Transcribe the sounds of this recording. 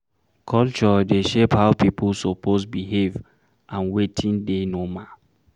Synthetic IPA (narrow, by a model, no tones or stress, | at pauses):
kʰɔlt͡ʃɔdeʃephaʊpipʰusopozbiɦev | ʔãnwetʰĩndenomã